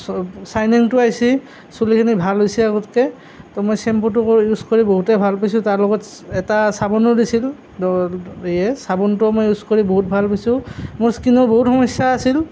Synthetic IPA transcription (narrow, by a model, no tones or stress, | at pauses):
sajniŋtʊajsi | sulikʰinibʱalɦojsiaɡɔtkɛ | tɔmɔjsɛmputʊkjuskoɹiboɦutɛbʱalpajs̬ʊ̃taɹlɔɡɔt | ɛtasabɔnɔɹdisil | ejɛsabɔntʊmojuskoɹiboɦut̚bʱalpajsʊ̃mʊɹskinɔɹboɦutxɔmɔsjaːsil